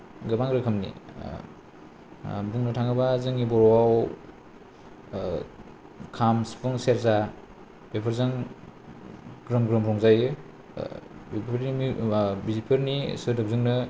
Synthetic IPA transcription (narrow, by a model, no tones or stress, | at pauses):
ɡɯbaŋɾɯkʰɐmnḭ | buŋnɯtʰaŋɯbazɯŋibɔɾɔwaw | kʰamspʰɯŋseɾza | bepʰɯɾzɯŋ | ɡɾɯmɡɾɯmɾɔŋzajɯ | bepʰeɾnibizipʰeɾnisɯdɯp̚zɯŋnɯ